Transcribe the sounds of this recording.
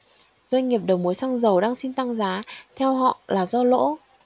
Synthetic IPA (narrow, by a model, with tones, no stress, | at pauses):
zwa˧jŋ̟ŋi˨˩əp̚ɗə˨˩wmu˨˦jsa˧ŋzə˨˩wɗaː˧ŋsi˧nt̪a˧ŋzaː˨˦t̪ʰɛ˧wɦɔ̰˧˨laː˨˩zɔ˧lo̰˧˥